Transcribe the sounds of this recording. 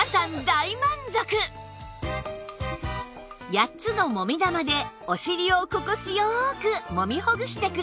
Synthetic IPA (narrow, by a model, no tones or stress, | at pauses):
sãnd̪aimãnd͡zokɯ | jatt͡sɨno̞mo̞mʲid̪amad̪e̞ | o̞ɕiɾʲioko̞kot͡ɕijokɯmo̞mʲihoɡɯ̟ɕi̥t̪e̞kɯ̟ɾ